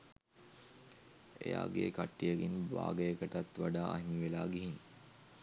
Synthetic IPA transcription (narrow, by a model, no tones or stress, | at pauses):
ḛja̰ːɡḛːkaʈːijəɡinba̰ːɡəjəkəʈat̪ʋaɖaːaɦimiʋelaːɡiɦin